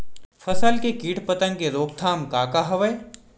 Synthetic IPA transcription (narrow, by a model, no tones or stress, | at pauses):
fʰɐsəlkekiːʈʰpət̪ə̃ŋkeɾoːk̚t̪ʰaːmkaːkaɦɐʋəj